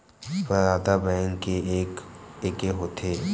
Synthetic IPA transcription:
pəɾaːd̪abɛ̃ːŋkːeeːkekeɦoːt̪ʰeː

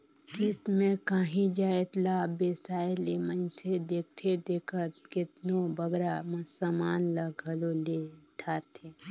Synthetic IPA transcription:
k̪iːsmẽkaːɦĩd͡ʒaːet̪labeːsaːelemə̃ɪ̃sed̪eːk̚t̪ʰed̪eːkʰət̪̚kɪt̪nobəɡɾamɐ̃samaːnlaɡʱɐloleʈʰaːɾt̪ʰe

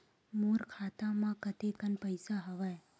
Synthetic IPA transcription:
muɾkʰat̪amãkət̪ekənpəjsaɦəʋaj

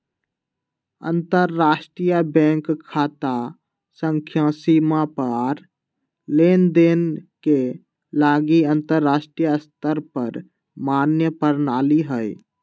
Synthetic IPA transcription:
ə̰̃nt̪əɾːaːsʈɾijabɛ̃ːŋkkʰːaːt̪a | sə̃ŋkʰjãːsimãpəɾ | leːnd̪eːnke | laːɡiə̃nt̪əɾːaːsʈɾijast̪əɾpəɾ | maːnjəpəɾnaːliɦəj

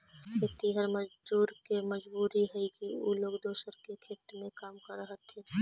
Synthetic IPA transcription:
et̪iɦəɾmɐd͡ʒbuːɾkemɐd͡ʒbuːɾiɦɛikiṵloːkd̪oːsəɾkekʰeːʈ̪mẽkaːmkɐɾːəɦət̪ɛː

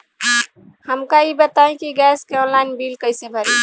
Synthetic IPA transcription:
həmkaibət̪aĩkiɡɛskeɔ̃nlaɪnbilkəɪsebʱəɾi

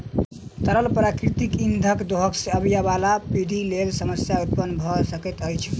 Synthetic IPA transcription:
t̪əɾəlpɾakɾit̪ikind̪ʱəkd̪oɦəkseəbijaβalapid̪ʱilelsəməsjaut̪̚pənbʱɔsəkɛt̪əjt͡ʃʰ

